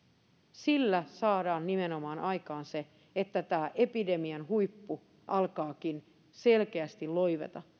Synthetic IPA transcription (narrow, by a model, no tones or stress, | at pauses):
silːæsɑːdɑːnːimenomɑːnʔɑikɑːnse | et̪ːæt̪æːʔepide̞miɑnɦuipːu | ʔɑlkɑːkin | se̞lkeæst̪illo̞iʋḛt̪ɑ